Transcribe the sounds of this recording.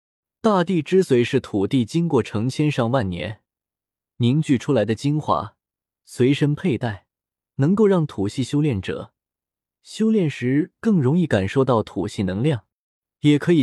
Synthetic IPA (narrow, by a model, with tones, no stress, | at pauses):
t̪a˥˧t̪i˥˩ʈ͡ʂɻ̩˥swe˧˥ɪʂɻ̩˥˩t̪ʰu˨˩t̪i˥˩t͡ɕi˥ŋkwɔ˥˩ʈ͡ʂʰɤ˧˥ŋt͡ɕʰjɛ˥nʂɑ˥˧ŋwa˥˩nnjɛ̰˧˥n | ni˧˥ŋt͡ɕy˥˩ʈ͡ʂʰu˥la˧˥ɪd̪ə˧t͡ɕi˥nxwa̰˧˥ | swe˧˥ɪʂə˥npʰe˥˧ɪt̪a˥˩ɪ | nɤ˧˥ŋko˥˧ʊɻɑ˥˩ŋt̪ʰu˨˩ɕi˥˩ɕjo˥ʊljɛ˥˩nʈ͡ʂɤ̰˨˩˦ | ɕjo˥ʊljɛ˥˩nʂɻ̩˧˥kɤ˥˩ŋɻʊ˧˥ŋi˥˩ka˨˩nʂo˥˧ʊt̪ɑ˥˩ʊt̪ʰṵ˨˩ɕi˥˩nɤ˧˥ŋljɑ˥˩ŋ | jɛ˨˩kʰɤ˧˥i˨˩